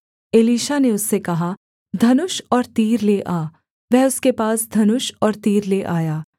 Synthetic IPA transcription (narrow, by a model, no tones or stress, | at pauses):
eːliːʃaneʊsːekɐɦa | d̪ʱɐnʊʃɔːɾt̪iːɾleʔaː | ʋɛɦʊskepaːsd̪ʱɐnʊʃɔːɾt̪iːɾleʔaːjaː